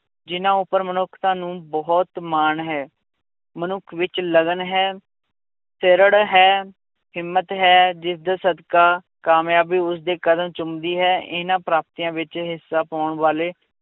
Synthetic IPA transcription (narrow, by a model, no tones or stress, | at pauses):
d͡ʒɪnãːʊpːəɾmənʊkʰt̪ãːnũːbɔːt̪maːnɦɛː | mənʊkʰʋɪt͡ʃləɡənɦɛː | seɾəɽɦɛː | ɦɪmːət̪ɦɛːd͡ʒɪsd̪aːsəd̪kaː | kaːmjaːbiːʊs̬d̪eːkəd̪əmt͡ʃʊmd̪iːɦɛːɪnãːpɾaːp̚t̪iːãːʋɪt͡ʃɦɪsːaːpaːʊɳʋaːleː